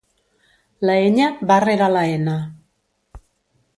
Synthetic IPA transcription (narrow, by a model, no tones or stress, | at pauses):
laeɲabareɾalaena